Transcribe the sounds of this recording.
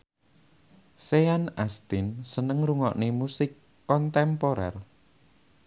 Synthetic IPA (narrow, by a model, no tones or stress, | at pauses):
seanast̪ɪnsənəŋɾuŋɔ̰ʔnemusɪkː | ɔnt̪ɛmpoɾɛ̰r